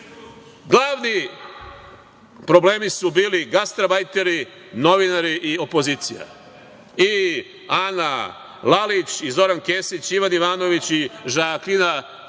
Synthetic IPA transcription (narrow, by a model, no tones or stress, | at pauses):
ɡlˠaːʋni | pɾo̞ble̞ːmisubiːliɡast̪ɾabajt̪e̞ɾi | no̞ʋinaɾiʔio̞po̞ziːt̪sija̰ | i | ana | lalit͡ɕizo̞ɾanke̞ːsit͡ɕiʋaniʋaːno̞ʋit͡ɕiʒaːklina